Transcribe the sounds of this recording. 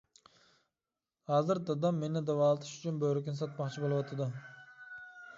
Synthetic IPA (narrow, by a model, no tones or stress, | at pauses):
hɑːzɨɾd̪ɑd̪ɑmːenɪd̪ɑwɑlˠɨt̪ʰɪ̥ʃyt͡ʃʰʊnbøɾɪkʲɪns̬ɑt̪̚mɑχt͡ʃʰibolˠɨwɑt̪ʰad̪ʊ